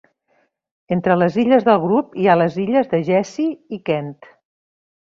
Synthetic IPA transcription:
ent̪ɾələziʎəzðəlˠɣɾupialəziʎəzðəʒɛsiːkɛnt̪

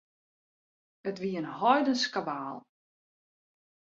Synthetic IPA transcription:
ətʋiənhɔjdənskabaːlˠ

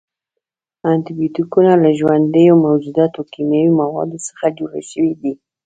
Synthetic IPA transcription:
ant̪ibjot̪ikunalaʒwand̪əjomawd͡ʒud̪at̪okimjawimawɑ̰d̪osə̥xad͡ʒoɽa̰ʃəwid̪i

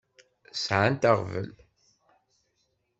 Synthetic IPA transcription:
sʕant̪aʁvə̰l

